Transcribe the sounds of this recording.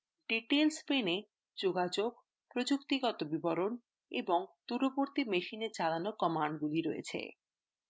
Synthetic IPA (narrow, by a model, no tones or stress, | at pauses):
ɖiʈelspene | d͡ʑoɡad͡ʑoɡ | pɾod͡ʑukt̪iɡɔt̪obibɔɾon | ḛboŋt̪uɾoboɾt̪imeʃineɾt͡ɕalanokɔmaɳɖɡuliɾojḛt͡ɕʰḛ